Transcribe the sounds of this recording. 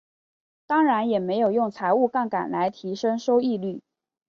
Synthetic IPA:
t̪ɑ˥ŋɻa˧˥njɛ˨˩me˧˥ɪjo˨˩ʊjʊ˥˩ŋt͡sʰa˧˥ɪu˥˧ka˥˩nka̰˨˩nla˧˥ɪt̪ʰi˧˥ʂɤ˥ŋʂo˥ʊi˥˧ly˥˩

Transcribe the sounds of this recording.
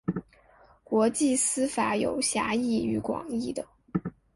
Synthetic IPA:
kwɔ˧˥t͡ɕi˥˩sɹ̩˥fa˧˥jo˨˩ʊɕja˧˥i˥˩y˧˥kwɑ̰˨˩ŋi˥˩d̪ə˩

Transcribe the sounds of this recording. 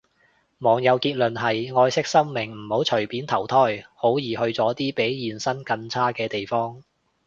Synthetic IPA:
mɔː˨˩ŋjɐ˨˧wkiː˧t̚lɵ˨nɦɐ˨jŋɔː˧jsɪ˥k̚sɐ˥wmɪ˨˩ŋm̩˨˩ho˨˥wt͡ʃʰɵ˨˩ɥpiː˨˥nt̪ʰɐ˨˩wt̪ʰɔː˥˩jho˨˥wjiː˨˩hɵ˧ɥt͡sɔː˨˥t̪iː˥pe˨˥jjiː˨nsɐ˥nkɐ˧nt͡sʰaː˥kɛː˧t̪e˨jfɔː˥ŋ

